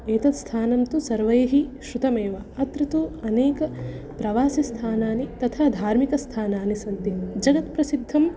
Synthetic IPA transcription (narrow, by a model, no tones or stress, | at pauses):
eːt̪ɐt̪st̪ʰaːnɐnt̪usɐɾʋɐjɐɦiʃɾut̪ɐmeːʋɐɐt̪ɾɐt̪uɐneːkɐ | pɾɐʋaːsist̪ʰaːnaːnit̪ɐt̪ʰad̪ʱaːɾmikɐst̪ʰaːnaːnisɐnt̪id͡ʒɐɡɐt̪pɾɐsid̪ʱːɐm